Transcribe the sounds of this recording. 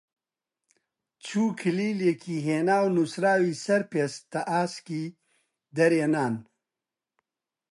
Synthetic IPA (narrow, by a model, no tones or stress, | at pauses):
t͡ʃʰuːkʰiliːlekʰiɦeːnaːwnusɾaːwisɐɾpest̪ɐʔaːski | d̪ɐɾjenaːn